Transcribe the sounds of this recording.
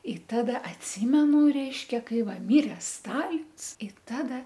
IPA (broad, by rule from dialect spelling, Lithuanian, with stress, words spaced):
ɪ ˈtɑːdɐ ɐtʲˈsʲiːmʲɛnʊ ˈrʲɛɪʃʲkʲɛ ˈkɐɪ ˈʋɐ ˈmʲɪrʲɛ ˈstɑːlʲɪns ɪ ˈtɑːdɐ